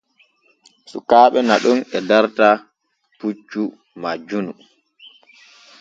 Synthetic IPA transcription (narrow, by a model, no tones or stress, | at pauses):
sṵkaːɓɛnaɗunɛdaɾta | put͡ʃːu | mad͡ʒunu